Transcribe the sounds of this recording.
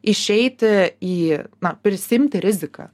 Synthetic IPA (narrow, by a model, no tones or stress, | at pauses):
ɪʃʲɛɪt̪ʲɪiːnɐpʲɾʲɪsʲɪɪmʲt̪ʲɪɾʲɪzʲɪkɐ̰